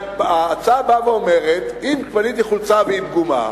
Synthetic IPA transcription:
aːt͡sabaveome̞ʁet̪imkvanit̪iχult͡saveimɡuma̰

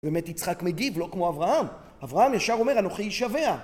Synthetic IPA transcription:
beːmetit͡sχakmeɡivlo̞kmo̞avʁaham | avʁahamjaʃaʁo̞me̞ʁano̞χiiʃave̞a

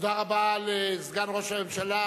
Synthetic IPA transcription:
d̪aʁabalɛzɡanʁoʃamemʃala

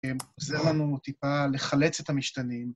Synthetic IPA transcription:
emozeʁlanut̪ipale̞χale̞t͡set̪hamiʃt̪anim

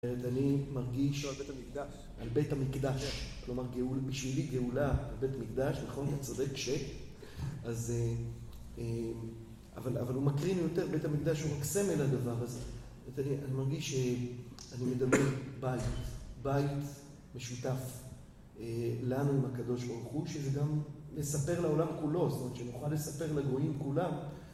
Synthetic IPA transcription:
meʁetanimaʁɡiʃ | albetamikd̪aʃklo̞maʁɡeulbiʃviliɡe̞ulaːlbe̞tamikd̪aʃnaχo̞nat͡sode̞kʃek | aze | e | a̰vala̰valumakʁinjo̞te̞ʁbe̞tamikd̪aʃhumakse̞meladavaʁaz | anianimaʁɡiʃeanime̞d̪abe̞ʁbait̪bait | me̞ʃutaf | elanuimakad̪o̞ʃbaʁuχuʃezeɡam | le̞sape̞ʁlao̞lamkulo̞stomett͡ʃeanuχalːesape̞ʁlaɡʁoimkulam

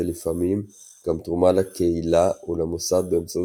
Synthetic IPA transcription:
elifamim | ɡ̥amt̪ʁumalakeilaulamosad̚bemt͡so

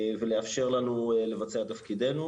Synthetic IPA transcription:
veleafʃe̞ʁlanule̞vat͡seat̪afkid̪e̞nu

